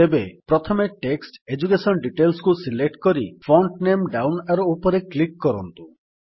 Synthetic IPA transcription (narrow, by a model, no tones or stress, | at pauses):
ebepɾɔt̪ʰɔmeʈeksʈed͡ʒukesɔnɖiʈelskusilek̚ʈkɔɾifʰɔɳʈnemɖawnaɾoupɔɾeklikːɔɾɔnt̪u